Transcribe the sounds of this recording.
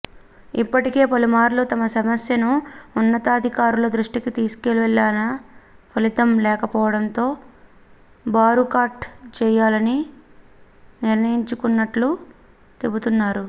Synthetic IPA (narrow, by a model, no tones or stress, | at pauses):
ipːɐʈike̞ːpɐlumaːɾloːt̪ɐmɐsɐmɐsjɐnuːnːɐt̪aːd̪ʱikaːɾulɐd̪ɾuʂʈikit̪iːsu̥keliʋɐɭːaːnɐpʰɐlit̪ɐmlɛːkɐpɔːʋɐɽɐnt̪o̞ː | baːɾukaːɾʈt͡ʃɛːjaːlɐni | niɾnɐjiɲt͡ʃukunːɐʈlu | t̪e̞but̪unːaːɾu